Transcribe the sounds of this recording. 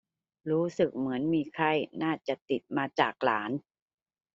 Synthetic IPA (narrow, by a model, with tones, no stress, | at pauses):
ɾuː˦˥sɯ˨˩k̚mɯ˩˦ənmiː˧kʰa˧˩jnaː˥˩t͡ɕa˨˩t̪i˨˩t̪̚maː˧t͡ɕaː˨˩k̚la̰ː˩˦n